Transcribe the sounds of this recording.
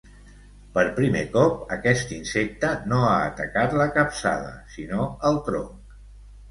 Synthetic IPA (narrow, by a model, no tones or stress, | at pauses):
pəɾpɾimekɔp̚əkɛst̪insek̚t̪ənoaːt̪əkat̪ləkəpsa̰ðə̰sinoəlˠt̪ɾoŋk